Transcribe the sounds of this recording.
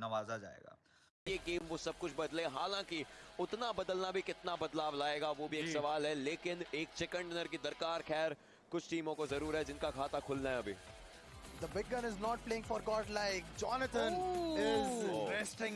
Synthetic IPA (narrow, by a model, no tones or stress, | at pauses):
nɐʋaːzad͡ʒa̰ːḛːɡa̰ː | jeɡeːmʋosɐb̚kʊt͡ʃʰbɐd̪lẽːɦaːlãːkiʊt̪nabɐd̪əlnabʱikɪt̪nabɐd̪laːʋlaːeːɡaʋobʱieːksɐʋaːlɦɛleːkɪneːk̚t͡ʃɛkə̃ɳʈɪnəɾkid̪ɐɾkaːɾxɛːɾ | kʊt͡ʃʰʈiːmõkozɐɾuːɾɦɛd͡ʒɪnkakʰaːt̪akʰʊlnaɦɛɐbʱḭː | d̪əbɪɡːɐ̃nɪznɔːʈ̚pleːɪ̃ŋfɔːɾɡɔːʈlaɪkd͡ʒɔːnət̪ʰə̃nɪzɾesʈɪ̃ŋ